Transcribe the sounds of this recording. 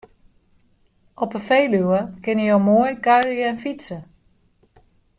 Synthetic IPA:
ʔɔpəfejlywəkɪnəjowmojkœɥrjəɛnfitsə

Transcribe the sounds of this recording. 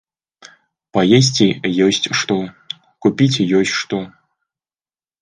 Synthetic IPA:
pɐjes̬ʲt͡sʲijɔsʲt͡sʲʂt̪ɔ | kupʲit͡sʲjɔsʲt͡sʲʂt̪ɔ

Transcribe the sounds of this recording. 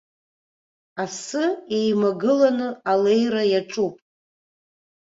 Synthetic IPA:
asɨe̞jmaɡɨlanɨale̞jɾajaʈ͡ʂʼupʼ

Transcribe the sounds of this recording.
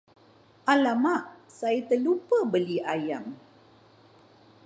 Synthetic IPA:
ʔalamaʔsait̪əlupəbəliʔajam

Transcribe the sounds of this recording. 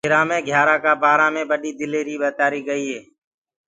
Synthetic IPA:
ɪɾãːmẽːɡʱjaːɾaːkaːbaːɾãːmẽːɓəɗiːd̪ɪleːɾiːɓət̪aːɾiːɡəiːɦeː

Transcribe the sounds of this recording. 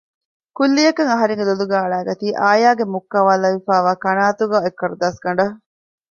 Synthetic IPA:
kulːijɐkɐŋɐɦɐɾeŋɡeluluɡæːɐɭæːɡɐt̪iːʔaːjaːɡemukːɐʋaːlɐʋifæːʋaːkɐnaːt̪uɡaːekːɐɾud̪aːsɡɐɳɖɐ

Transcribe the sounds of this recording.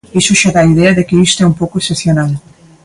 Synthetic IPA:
isʊʃaðaːiðɛɐðɪkɪist̪oɛumpowkoeseθjonal

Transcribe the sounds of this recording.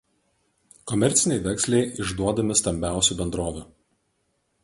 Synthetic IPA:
kɔmʲɛɾʲt̪sʲɪnʲɛɪʋʲɛksʲlʲɛɪʔɪʒd̪uɔd̪ɐmʲɪst̪ɐmʲbʲæˑʊsʲuːˑbʲɛnd̪ɾoːʋʲʊ

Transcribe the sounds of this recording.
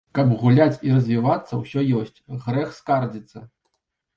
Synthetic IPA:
kɐbɣulʲat͡sʲirɐzʲvʲivat̪sːɐwsʲɔjɔsʲt͡sʲɣɾɛxskard͡zʲit̪sːɐ

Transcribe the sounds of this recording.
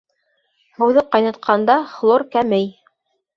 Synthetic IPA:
hɤ̆wðɤqɑjnɑ̆t̪̚qʰɑnd̪ɑflˠoɾkæmɘj

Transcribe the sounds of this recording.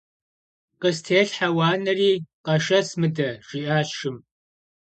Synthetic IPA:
qəstʰeːɬħawaːnɐriːqɐʃɐsmɨdɐʐ̥iʔaːʃɨm

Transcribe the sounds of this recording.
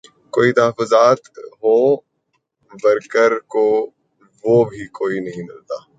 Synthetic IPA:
koːit̪ɐɦəfʊzaːt̪ɦoː | bɐɾkəɾko | ʋoːbʱikoːinɐɦĩmɪ̰lt̪aː

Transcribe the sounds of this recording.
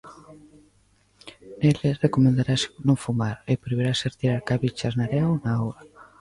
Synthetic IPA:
nelerekomẽnd̪aɾasnõŋfumaɾepɾeβiɾaseɾt̪iɾaɾkaβit͡ʃaznaɾɛwnaowɾa

